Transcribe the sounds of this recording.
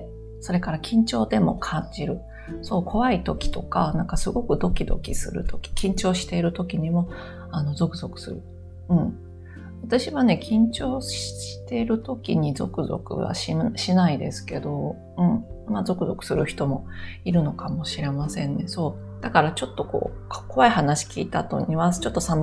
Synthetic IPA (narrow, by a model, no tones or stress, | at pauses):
so̞ɾe̞kaɾakʲĩɲ̟t͡ɕo̞ːd̪e̞mo̞̰kʰãɲ̟d͡ʑiɾɯ̟ | so̞ːkʰo̞βait̪o̞kʲi̥t̪o̞kanãŋkasɨɡo̞kɯ̟d̪o̞kʲid̪o̞̰kʲisɨ̰ɾɯ̟t̪ʰo̞kʲi̥kʲĩɲ̟t͡ɕo̞ːɕi̥t̪e̞iɾɯ̟t̪o̞kʲiɲ̟imo̞ | ano̞zo̞kɯ̟zo̞kɯ̟̥sɨ̰ɾɯ̟ | ɯ̟̃ɴ | βat̪aɕiβane̞kʲʰĩɲ̟t͡ɕo̞ːɕi̥ɕi̥t̪e̞ɾɯ̟t̪o̞kʲiɲ̟izo̞̰kɯ̟zo̞̰kɯ̟̰βa̰ɕiɕinaid̪e̞̰sɨ̥ke̞d̪o̞ | ɯ̟̃ɴmazo̞kɯ̟zo̞kɯ̟̥sɨɾɯ̟çi̥t̪o̞mo̞iɾɯ̟no̞kamo̞ɕiɾe̞masẽ̞nːe̞so̞ː | d̪̥akaɾat͡ɕo̞t̪ːo̞ko̞̰ːko̞βaihanaɕi̥kʲḭːt̪aːt̪o̞̰ɲiβat͡ɕo̞t̪ːo̞sãn